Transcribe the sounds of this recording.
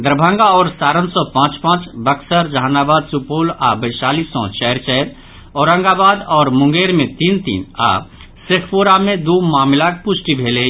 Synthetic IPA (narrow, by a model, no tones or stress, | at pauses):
d̪ɾbʱə̃ŋɡaɔːɾsaːɾənsɔpãːt͡ʃpãːt͡ʃbɐksəɾd͡ʒaːnaːbaːd̪supoːlaːbəɪʃaːliːsɔ̰̃t͡ʃɛːɾt͡ʃɛːɾ | ɔːɾə̃ŋɡaːbaːd̪ɔːɾmʊ̃ŋɡeːɾmẽt̪iːnt̪ḭːna̰ː | sɪkʰpuːɾamẽd̪uːmaːmɪlaːk̚pʊsʈibʱeːle